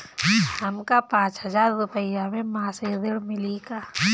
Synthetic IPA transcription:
ɦɐmkapãːt͡ʃɦəzaːɾːʊpəjamẽmãːsed̪ɪɽmɪliɡaː

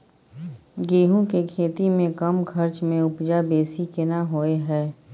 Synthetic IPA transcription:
ɡeːɦũkekʰeːt̪imẽkɐmkʰɐɾt͡ʃmẽʊpd͡ʒabeːsikɪnaɦoːeɦɛː

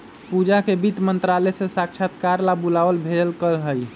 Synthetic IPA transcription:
pud͡ʒakebit̪mənt̪ɾalɛsesakʃʰat̪kaɾlabulaʋəlbʱeəlkəlɦəj

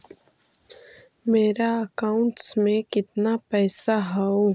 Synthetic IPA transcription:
meːɾaɐkaːʊ̃ɳʈsmẽkɪt̪napɛːsaɦɛoː

